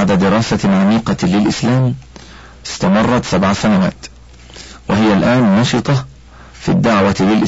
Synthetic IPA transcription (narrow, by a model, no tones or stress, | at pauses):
ʕd̪ad̪ɪɾɑːsaʕamiːqɑlɪlʔɪslaːm | ɪst̪amɑrˤːɑt̪sabʕasanawa̰ːt̪ | wɪɦɪjalʔaːnːɑʃɨt̪ˤɑ | fḭːd̪ːaʕwalɪlʔɪ